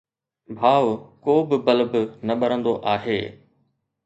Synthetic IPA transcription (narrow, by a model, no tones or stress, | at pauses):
bʱaːʋkoːbɪbɐlbnɐɓɐɾə̃nd̪oʔaːɦeː